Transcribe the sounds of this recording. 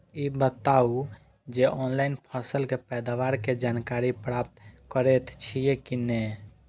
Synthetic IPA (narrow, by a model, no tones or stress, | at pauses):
ibət̪au | d͡ʒeʔɔnlainpʰəsəlkepɛd̪aʋaɾked͡ʒankaɾipɾap̚t̪kəɾet̪t͡ʃʰijekine